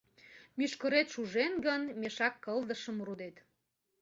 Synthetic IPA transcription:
myʃkəɾet̪ʃuʒenɡənmeʃɑkːəld̪əʃəmɾud̪et̪

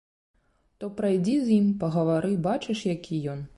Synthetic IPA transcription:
t̪ɔpɾajd͡zʲizʲjimpɐɣɐvaɾɨbat͡ʂɨʂjakʲʰijɔn

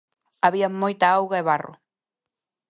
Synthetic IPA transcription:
aβiamːojt̪aawɣaeβarʊ̰

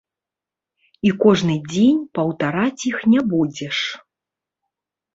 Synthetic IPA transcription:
ikɔʐnɨd͡zʲenʲpɐwt̪aɾat͡sʲixnʲɛbud͡zʲɛʂ

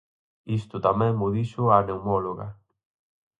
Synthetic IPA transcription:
ist̪ʊt̪amɛ̃ŋmʊðiʃʊaneumɔloɣa

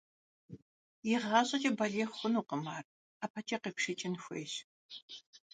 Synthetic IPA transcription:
jɪʁɑɕʼɐt͡ʃʼɐbɐɮeːχxʷʊnuːqəmaːr | aːpʰɐt͡ʃʰʼɐqeːpʂɪt͡ʃʼɪnxʷḛːɕ

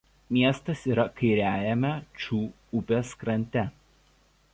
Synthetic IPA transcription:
mʲiɛst̪ɐsiːɾɐkɐɪɾʲæːjɛmʲɛt͡ʃʲuː | ʊpʲeskɾɐnʲt̪ʲɛ

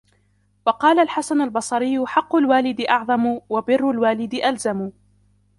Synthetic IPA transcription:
wɑqɑːlalħasanalbɑsˤɑɾɪjːʊħɑqːʊlwaːlɪd̪ɪʔɑʕðˤɑmʊwabɪrːʊlwaːlɪd̪ɪʔalzamʊ

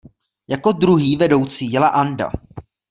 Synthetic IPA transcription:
jako̞dɾuɦiːvɛdo̞wt͡siːjɛlaʔanda̰

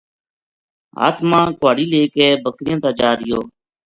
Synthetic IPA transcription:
ɦa̰ːt̪ʰmãːkwaːɽiːleːkeːbəkɾɪjãːt̪aːd͡ʒaːɾɪjoː

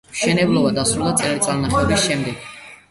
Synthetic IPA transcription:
mʃɛnɛblˠɔbad̪asɾulˠd̪at̪sʼɛɾit̪sʼaɾmaχʰɛɔbisʃɛmd̪ɛɡ̥

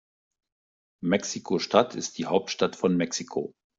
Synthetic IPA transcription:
mɛksikʰoʃtʰatʰɪ̰st̚d̥iːhaʊp̚tʃtatfɔnmɛksikʰo̰

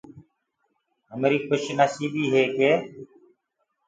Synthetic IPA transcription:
ɦəmɾiːxʊʃnaːsiːbiːɦeːkeː

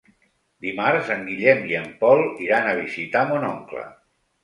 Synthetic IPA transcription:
d̪imaɾzəŋɡiʎɛmiəmpɔlˠiɾanəβ̞izit̪amunɔŋklə̰

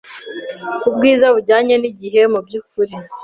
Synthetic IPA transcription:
kub̚ɡiːzaβuɟaːɲeniɟiɦe̞mubjukuɾi

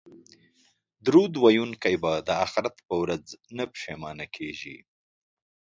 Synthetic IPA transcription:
d̪ɾud̪wajunkajbad̪əaxɪɾat̪pəwɾad͡znəpʃemɑːnakʰeʒḭ

